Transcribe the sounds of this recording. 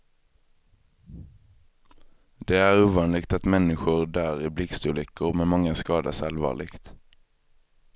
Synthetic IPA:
d̪̥eːæːʁʉːʋɑːnlɪɡt̪ɑt̪mɛnɪɧʊʁd̪æːʁɪblɪkst̪ʉːlɪkʰʊʁmeːmɑŋːəskɑːd̪ə̰sɑlʋɑ̰ːʁlɪɡt̪

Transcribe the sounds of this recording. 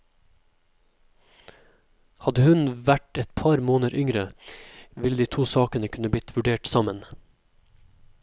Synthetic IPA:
hɑd̪əhʉnʋæʈɛt̪pʰɑɾmoːnəɾʔʏŋɾə | ʋɪld̪iːt̪ʰuːsɑːkənəkʰʉnəblɪt̪ʰʋʉɖeːʈsɑmən

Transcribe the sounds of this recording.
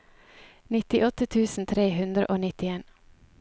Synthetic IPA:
nɪt̪ɪʔɔt̪ət̪ʰʉːsn̩t̪ʰɾeːhʉnd̪ɾə̰ʔoːnɪt̪ɪeːn

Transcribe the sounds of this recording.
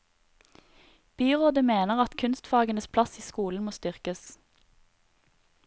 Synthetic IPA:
b̥yːʁoːd̪əmeːnəʁɑt̪kʰʉnst̪fɑːɡənəspʰlɑsiːskuːln̩moːst̪ʏʁkəs

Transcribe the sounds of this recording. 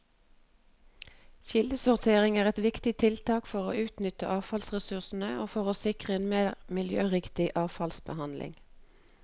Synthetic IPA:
çɪləsʊʁt̪ʰeːʁɪŋæːʁɛt̪ʋɪkt̪ɪt̪ʰɪlt̪ʰɑːkfɔʁo̰ːʔʉːt̪nʏt̪ə̰ʔɑːfɑlsʁɛsʉʁsn̩əoːfɔʁoːsɪkʁəeːnmeːʁmɪljø̰ːʁɪkt̪ɪʔɑːfɑlsbəhɑnlʔɪ̰ŋ

